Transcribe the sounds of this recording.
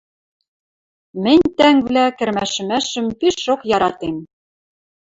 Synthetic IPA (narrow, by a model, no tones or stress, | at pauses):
mɘ̆nʲt̪æŋvlækɘ̆ɾmæʃɘ̆mæʃɘ̆mpiʃokjɑɾɑt̪em